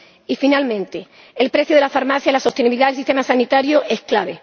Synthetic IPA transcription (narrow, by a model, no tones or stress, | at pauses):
ifinalmẽ̞nt̪e | elpɾe̞θjoðeafaɾmaθjailaso̞st̪eniβiliðaðelsist̪e̞masanit̪aɾjoʔe̞sklaβe̞